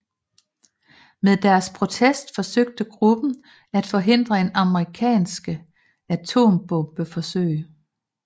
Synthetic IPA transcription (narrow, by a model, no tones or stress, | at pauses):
meðˠd̥æɐspʰʁo̝t͡sʰesd̥fɒ̽søɡ̥̚d̥əɡ̥ʁub̥n̩ | æd̥fɒ̽ɦe̝n̰d̥ʁɐe̝nɑ̈məʁikʰɛ̰ːnsɡ̥ə | æt͡sʰo̝̰ːmb̥ɔ̽mb̥əfɒ̽sø̰ɪə